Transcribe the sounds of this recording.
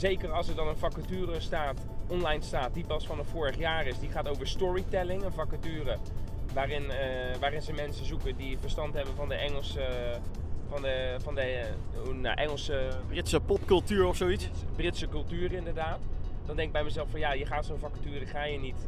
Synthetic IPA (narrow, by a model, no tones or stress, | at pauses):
zejkərɑlˠsəɹdɑnənfakətyːrəstaːt | ʔɔnlɛjnstaːt̚dipɑsfɑnəfoːɹəχjaːrɪsdiχaːtowvəɹstɔɹitɛlɪŋənfakatyːərəʋaːrɪn | ʋaːɾɪnzəmɛnsəzukəndifəɹstɑntɦɛbənvɑndəʔɛŋəlˠsə | fɑnəfɑndə | na̰ʔɛŋəlˠsəbrɪtsəpɔpkɵlˠtyːɹɔfsoitsbrɪtsəkɵlˠtyːrəɪndərdaːtdɔndɛŋɪɡbɛjməzɛlˠfɔnjajəχaːtsonfakətyːrəχaːjənit